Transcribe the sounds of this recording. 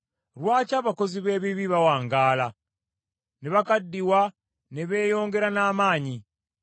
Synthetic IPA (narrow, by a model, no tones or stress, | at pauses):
ɾwaːcaːβako̞ziβe̞ːβiβiβawaːŋɡaːla | neβakadːiwa | neβe̞ːjo̞ːŋɡe̞ɾanaːmaːɲi